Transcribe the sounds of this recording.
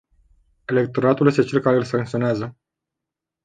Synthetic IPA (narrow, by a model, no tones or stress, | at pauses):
e̞le̞k̚t̪o̞ɾat̪uljest̪e̞t͡ʃe̞lkaɾeɨlsaŋk̚t̪sio̞neazə